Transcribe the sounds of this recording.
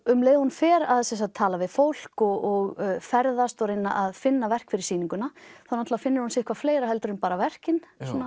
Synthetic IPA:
ʏmleːjðahunfɛːɾaðsɛsat̪ʰːaːlavɪðfowl̥kɔɣɔɣfɛɾðast̪ɔɾejnːa̰ʔaðfɪnːavɛr̥kfɪɾɪɾ̥siːniŋkʏnaθanat̪lavafɪnːɪɾ̥hunsɪːhkvafleːjɾahɛlt̪ʏɾʏmpaːɾavɛr̥cɪnsɔna

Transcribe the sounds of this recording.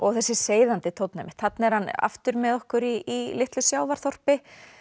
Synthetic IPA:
ɔɣθɛsːɪseːjðant̪ɪt̪ʰowt̪namɪ̥t̪θat̪nɛɾhana̰ft̪ʏɾmɛðɔhkʏɾiːlɪht̪lʏsjaːwvaɾ̥θɔr̥pɪ

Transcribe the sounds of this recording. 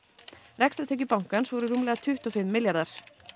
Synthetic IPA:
rɛkst̪ɾat̪ʰɛːcʏpawŋ̥kansvɔɾʏɾuːmlɛɣat̪ʰʏht̪ɔfɪmːɪljaɾðaɾ̥

